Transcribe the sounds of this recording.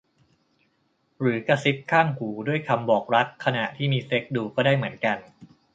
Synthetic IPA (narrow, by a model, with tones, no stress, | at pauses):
ɾɯː˩˦ka˧si˦˥t̪̚kʰaː˥˩ŋhuː˩˦du˥˩əjkʰa˧mbɔː˨˩k̚ɾa˦˥kʰːa˧na˨˩ʔt̪ʰiː˥˩miː˧se˦˥k̚duː˧˩kɔː˥˩daː˥˩jmɯ˩˦ənka˧n